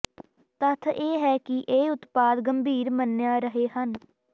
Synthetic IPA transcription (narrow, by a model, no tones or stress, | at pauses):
t̪ət̪ʰeːɦɛːkɪʔeːʊt̪paːd̪ɡəmbʱiːɾmənjaːɾəɦeːhən